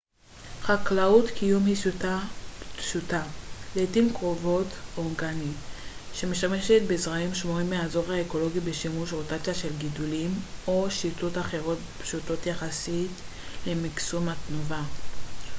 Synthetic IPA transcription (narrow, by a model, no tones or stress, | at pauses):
χaklaut̪kijumhisutaʃutaletimkʁo̞vo̞toŋɡaniʃe̞meʃtame̞ʃet̚bezʁaimʃmoimeazo̞ʁhaeko̞lo̞ɡibeʃimuʃʁotat͡sijaʃelɡidulimʔoʃitotaχe̞ʁo̞t̚pʃuto̞tjaχasit | le̞maksumatnuva